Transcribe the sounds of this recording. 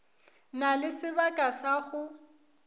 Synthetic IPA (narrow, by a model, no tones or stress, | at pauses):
nalɪsɪβakʼasaɣʊ